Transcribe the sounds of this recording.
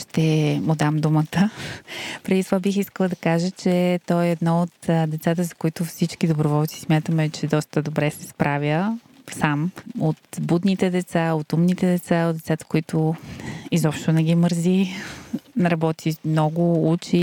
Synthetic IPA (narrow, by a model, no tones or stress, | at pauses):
ʃt̪ɛmod̪amd̪umət̪ə | pɾɛd̪it̪ovabixiskəlˠəd̪ɐkaʒət͡ʃɛt̪ɔɛːd̪nɔot̪d̪ɛt̪sat̪əzɐkoit̪ʊfsit͡ʃkid̪obɾovɔlˠt̪si̥smʲjat̪əmɛt͡ʃɛd̪ɔst̪əd̪obɾɛsɛspɾʔavʲjə | samot̪bud̪nit̪ɛd̪ɛt̪saot̪umnit̪ɛd̪ɛt̪saod̪d̪ɛt̪sat̪ə̥koit̪ʊ | izɔpʃt̪onɛɡiməɾzi | nɾɐbɔt̪ʰimnɔɡʊut͡ʃi